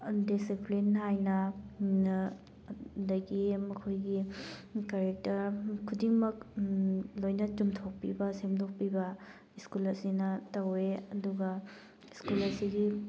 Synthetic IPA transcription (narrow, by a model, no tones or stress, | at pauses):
disiplinɦajnɐ | dɐɡimɐkʰojɡikaɾek̚tɐɾkʰːudiŋmɐk | lojnɐtumtʰok̚pibɐsemdok̚pibɐ | iskulɐsinɐtɐweɐduɡɐ | iskulɐsiɡi